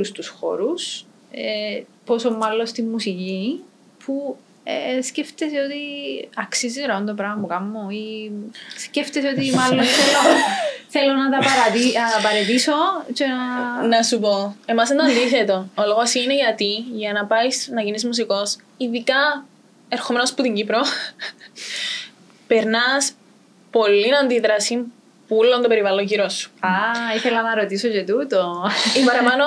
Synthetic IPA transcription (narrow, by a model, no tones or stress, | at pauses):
lust̪usxo̰ɾus | eposomːɐlːost̪imːusici | pʰu | esceft̪eseot̪iɐksizeɾɐɐnt̪opɾɐmɐmukɐmːoi | sceft̪eseot̪imɐlːonθelːoθelːonɐt̪ɐpɐɾɐt̪inɐt̪ɐpɐɾet̪isot͡ʃenɐnɐsup̬oe̞mɐsend̪oɐnd̪iθe̞t̪o̞oloɣosiineʝɐt̪iʝɐnɐpɐisnɐʝinizmus̬iko̞s | iðikɐ | eɾxome̞nosput̪iɲɟipɾo | pe̞ɾnɐs | po̞lːinɐnd̪iðɾɐsim | pulont̪ope̞ɾivɐloɲʝiɾosːu̥aiθelɐnɐɾot̪isocet̪ut̪oibɐɾɐmɐno